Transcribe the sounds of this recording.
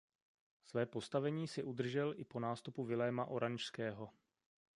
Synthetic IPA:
svɛːpo̞st̪avɛɲiːsɪʔud̪r̩ʒɛlʔɪpo̞naːst̪upuvɪlɛːmaʔo̞ɾaɲʃskɛːɦo̞

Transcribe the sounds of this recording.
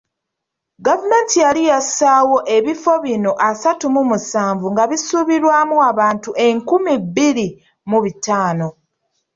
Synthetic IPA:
ɡavumeːntijalijasaːwo̞ʔe̞βifo̞βino̞ʔasatumumusaːɱvuŋɡaβisuβiɾwaːmuaβaːntuʔe̞ŋkumibːiɾi | muβitaːno̞

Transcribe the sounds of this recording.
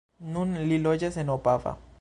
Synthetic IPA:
nũnlilod͡ʒesenopafa̰

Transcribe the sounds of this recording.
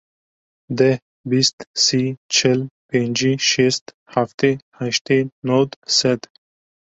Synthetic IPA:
d̪e | bist̪sit͡ʃʰəlpenʲd͡ʒiʃest̪ | haft̪ehaʃt̪enod̪sed̪

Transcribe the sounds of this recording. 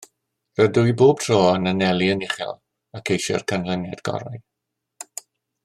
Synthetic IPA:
rədʊjboːb̥̚tʰroːənənɛlˠiənɪχɛ̰lˠ | akʰejʃɛ̰rkʰanlənjadɡ̥ɔ̰ɾa̰j

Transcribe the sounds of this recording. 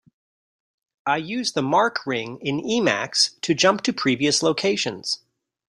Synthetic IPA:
aɪjʉzðəmɑɹkʰɹɪ̃ŋɪ̃nimæ̰kstʰɨd͡ʒʌ̃mp̚tʰɨpʰɹ̥iviɨsloʊkʰeɪʃɨ̃nz̥

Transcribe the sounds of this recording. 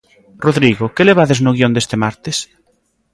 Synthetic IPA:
roðɾiɣokeleβ̞aðeznʊɣ̞iond̪est̪emaɾt̪ɪs

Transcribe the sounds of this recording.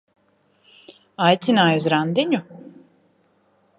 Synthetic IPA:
ajt̪ʰinajzɾand̪enʲu

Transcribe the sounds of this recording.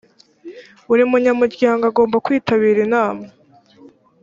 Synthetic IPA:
uɾimuɲamuɾɟaːŋɡaɡo̞ːmbakwiːtaβiːɾinaːma

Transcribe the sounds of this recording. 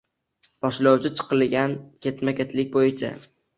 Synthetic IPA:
b̥ɒʃlawt͡ʃʰɪt͡ʃʰɨ̥qɨlɡʲankʲe̞t̪makʲet̪ʰlɪk̚ʲbojɪt͡ʃʰa̰

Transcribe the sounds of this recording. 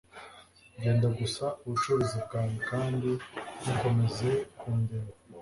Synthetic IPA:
ɲɟeːndaɡusauβut͡ʃuɾizibɡaːnikaːndiniko̞me̞ze̞kʰuːndeɾa

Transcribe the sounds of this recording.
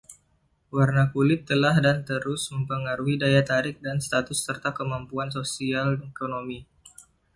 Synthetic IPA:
warnakulɪp̚t̪ːəlahdant̪əɾʊsməmpəŋaɾuɦidajat̪aɾɪk̚danst̪at̪ʊsːərt̪akəmampuans̬osialekonomi

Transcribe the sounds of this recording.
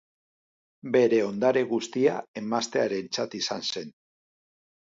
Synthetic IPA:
be̞ɾe̞o̞nd̪aɾeɣust̪ia̰e̞mast̪e̞aɾe̞nt͡sat̪isanse̞n

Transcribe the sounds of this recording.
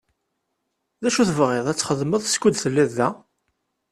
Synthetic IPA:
ðæʃuθəvʁeðˤæt͡sːχəðməðˤskʷud̪θəlːiðːæ

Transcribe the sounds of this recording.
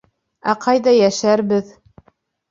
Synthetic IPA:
æqʰɑjðɑjæʃæɾbɘð

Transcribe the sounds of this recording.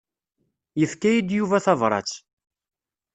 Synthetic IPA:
jəθkæjid̪juvæθɑvɾˤɑ̰t͡sː

